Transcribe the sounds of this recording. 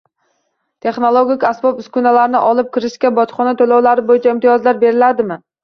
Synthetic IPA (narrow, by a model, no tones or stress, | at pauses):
t̪ʰe̞χnolˠoɡʲɪkʲasbɒpɪskʲʊnalaɾnɪʔɒlɪp̚kʲʰɪɾɪʃkʲabɒt̪χɒnat̪ʰolɒwlaɾɪbojɪt͡ʃʰaɪmt̪ʰijɒzlaɾbe̞ɾɪlad̪ɪmɪ